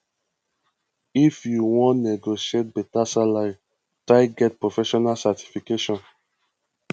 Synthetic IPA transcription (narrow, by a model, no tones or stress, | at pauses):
ifjuwɔ̃nnɛɡoʃiet̚bɛtasalaɾi | tɹaɪɡɛt̚pɹofɛʃɔnalsati̥fikeʃɔ̃n